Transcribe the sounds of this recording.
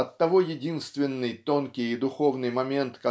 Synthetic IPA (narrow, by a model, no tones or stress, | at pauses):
ɐt̪ːɐvo̞jɪdʲinst̪vʲɪnːɨjt̪o̞nkʲɪjɪd̪ʊxo̞vnɨjmɐmʲe̞nt̪kɐ